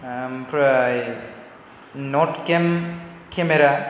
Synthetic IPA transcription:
mpʰɾɐj | noʈkemkʰemeɾa

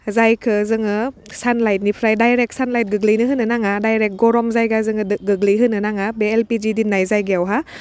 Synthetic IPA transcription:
zajkʰɯzɯŋɯ | sanlajt̚nipʰɾajdajɾɛk̚sanlajt̚ɡɯk̚linɯɦɯnɯnaŋadajɾɛk̚ɡɔɾɔmzajɡazɯŋɯɯɡɯk̚liɦɯnɯnaŋabeɛlpid͡ʒidinːajzajɡɛwɦa

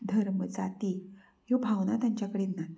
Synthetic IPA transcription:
d̪ʱəɾməd͡zat̪i | jobʱawnat̪jaɲt͡ɕjakəɽenːa

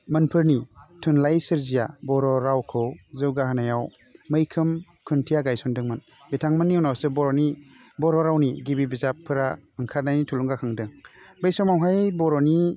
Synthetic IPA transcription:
mɯnpʰɯɾnitʰunlajsɯɾzijabɔɾɔɾawkʰɯwzɯwɡahanajaw | məjkʰɯm | kʰuntʰijaɡajsɔndɯŋmɯn | bitʰaŋmɯnːiɔwnawsɯbɔɾɔni | bɔɾɔɾawnḭɡibibizapʰːɯɾaɯŋkʰaɾnajnitʰuluŋɡakʰaŋdɯŋbəjsɔmawɦajbɔɾɔni

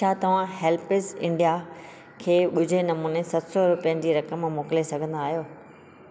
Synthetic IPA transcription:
at̪ɐʋ̤ãɦɛːlpɪzɪ̃ɳɖija | kʰeːɓʊd͡ʑʱenɐmuːnesɐt̪sɔɾʊpijənɪ̆d͡ʑiːɾɐkəmmoːkɪlesɐɡʱə̃nd̪aːɦijoː

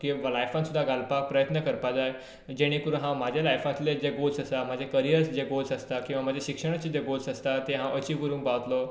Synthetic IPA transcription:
kĩʋalajfãnsud̪ʱːaɡalpak̚pɾəjət̪nəkəɾpad͡zaj | d͡ʑeɽ̃ĩkuɾɦãmad͡ʑʱjalajfat̪led͡ʑeɡolsəsam̤ad͡ʑʱekəɾijəɾsd͡ʑeɡolsəst̪akĩw̃ʋam̤ad͡ʑʱeɕikʂəɽ̃at͡ɕid͡ʑeɡolsəst̪at̪eɦãʔət͡ɕiʋɡuɾũːŋkpaʋət̪lɔ

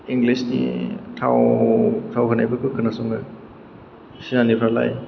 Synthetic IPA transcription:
iŋɡlisnḭtʰa̰wtʰawkʰɯnajbɯkʰɯkʰɯnasɔŋɯ | sinanipʰala̰j

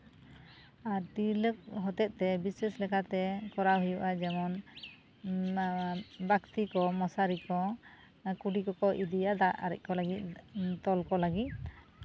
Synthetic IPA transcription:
aɾʈilək̚ɦɔt̪ɛt̪̚ˀt̪ɛbisɛslɛkʰat̪ɛkɔɾaɦujuʔad͡ʒɛmɔn | bakt̪ikɔmɔsaɾikɔ | kuɖikɔkɔʔid̪ijad̪aa̰ɾɛ̰c̚ˀkɔləɡit̪̚ˀt̪ɔlkɔləɡit̪̚

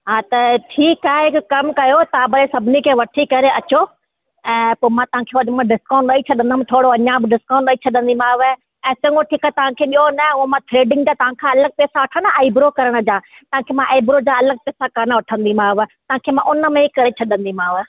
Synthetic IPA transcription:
ɦaːt̪ɐʈʰiːkaːɦeɦɪkkɐmkɐjot̪aːbɐɾesɐbʱɪnikʰeːʋɐʈʰikɐɾeʔɐt͡ɕo | ɛ̃ːpoːmãt̪ɐʋ̤ãkʰeːɐɗmãɖɪskãːɳʈɗɐːit͡ɕʰɐɗə̃nd̪am̃t̪ʰoːɽoɐ̃ɲãbɪɖɪskãːɳʈəit͡ɕʰɐɗə̃nd̪imãːʋə | ɛ̃ːsɐ̃ŋɡoʈʰiːkaɦet̪ɐʋ̤ãkʰeːɓijonɐʊmãt̪ʰɾeːɖɪ̃ŋɡd͡ʑaːt̪ɐʋ̤ãkʰãɐləɡ̚pɛːsaʋɐʈʰənəaːibɾokɐɾəɽ̃ə̆d͡ʑaː | t̪ɐãkʰeːmãʔaːbɾod͡ʑaɐləɡ̚pɛːsakɐnəʋɐʈʰə̃nd̪im̤ãːʋt̪ɐʋãːkʰeːmãʔʊnəmẽikɐɾet͡ɕʰɐɗə̃nd̪imãːʋ

